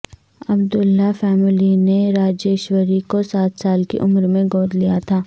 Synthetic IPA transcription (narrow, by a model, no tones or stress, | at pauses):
ɐbd̪ʊlːafɛːmɪlineɾaːd͡ʒeːʃwəɾikosaːt̪saːlkḛʔʊmɾmẽɡoːd̪lijat̪ʰaː